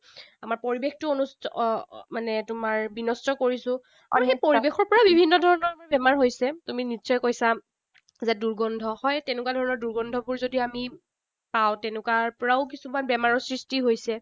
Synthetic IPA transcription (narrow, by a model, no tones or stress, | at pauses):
amaɹpoɹibextʊonustmanɛtʊmaɹbinɔstɔkoɹisʊ̃ | a̰miepoɹibexɔɹpɔɹabibʱinːɔdʱɔɹɔnɔɹamaɹbɛmaɹɦojsɛtuminisɔjkojsa | zɛduɹɡɔndʱɔhɔjtɛnʊk̬wadʱɔɹɔnɔɹduɹɡɔndʱɔbuɹzodiami | paw̃tɛnʊkwaɹpɔɹaʊk̬isumanbɛmaɹɔɹsɹistiɦojsɛ